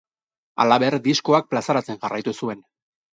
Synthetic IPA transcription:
a̰laβe̞ɾd̪isko̞ak̚plasaɾat͡se̞ŋʝarajt̪usue̞n

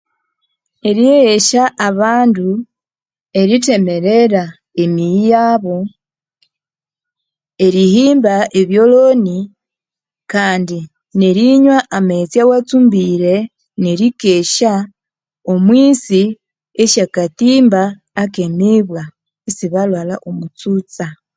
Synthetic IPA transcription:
e̞ɾieeʃaʔːβaːndu | e̞ɾite̞me̞ɾeɾa | emiijaːβo̞ | e̞ɾihiːmbaeβjo̞loni | kaːndi | neɾiɲwaʔamet͡sjawat͡sumbiɾe | neɾikeʃa | omwiːsi | eʃakatiːmbaː | kemiβwa | esiβalwalaʔomut͡sut͡sa

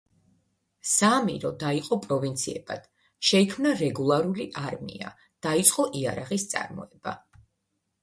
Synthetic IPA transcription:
samḭɾɔd̪aiqʼɔpʼɾɔvint̪sʰiɛbad̪̥ | ʃɛikʰmnaɾɛɡulˠaɾuliʔaɾmḭa | d̪̥ait̪sʼqʼɔʔiaɾaʁist̪sʼa̰ɾmɔ̰ɛba̰

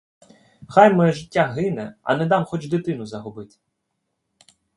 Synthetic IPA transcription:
xajmɛɛʒɪtʲːaɦɪnɛɐ̰nɛd̪ɑmxɔt͡ʃd̪ɪt̪ɪnʊzɐɦɔbɪt̪ɪ̥

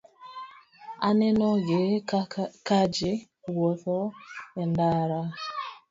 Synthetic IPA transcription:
anenɔɡe | kad͡ʒɪ | wɔθɔendaɾa

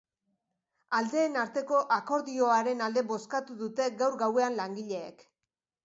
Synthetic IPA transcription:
ald̪e̞ːnaɾt̪e̞ko̞ʔako̞ɾðio̞aɾe̞nald̪e̞βo̞skat̪uðut̪e̞ɡawɾɡawe̞anlaŋɡiʎe̞̰ːk

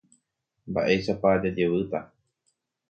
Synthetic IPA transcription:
mba̰ʔe̞ʃapad͡ʒad͡ʒe̞ʋɨt̪a

